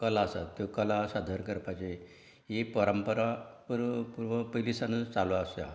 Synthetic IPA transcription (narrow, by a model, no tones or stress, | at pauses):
kəlaəsa̰t̪ːokəlasad̪ʱəɾkəɾpat͡ɕe | ɦipəɾəmpəɾapuɾpuɾʋəpəilisanət͡saluaəsa̰